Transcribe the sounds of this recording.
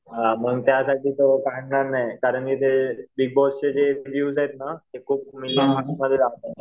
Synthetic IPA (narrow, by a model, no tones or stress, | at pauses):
ɦaməɡt̪jasaʈʰiːt̪okaɳnaɾnajkaɾəɳkit̪ebiɡ̚bɔst͡ɕed͡ʑeʋjuːsjet̪̚nat̪ekʰuːp̚milamaksməd̪ʱːjed͡zaʋt̪a